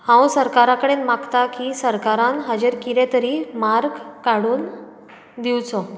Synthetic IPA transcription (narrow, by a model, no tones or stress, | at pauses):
hãwsəɾkaɾãkəɽenmaɡt̪akisəɾkaɾãnɦad͡ʑeɾkiɾet̪əɾiːmaɾɡkaɽuːn | d̪iwt͡sɔ